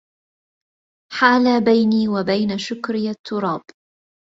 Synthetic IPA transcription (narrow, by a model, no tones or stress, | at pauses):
ħaːlabajniːwabajnaʃʊkɾɪjat̪ʰːʊɾˤɑːb